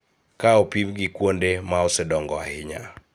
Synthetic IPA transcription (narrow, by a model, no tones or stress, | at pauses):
kaɔpimɡɪkwondemaɔsɛdɔŋɡɔa̰hɪɲa̰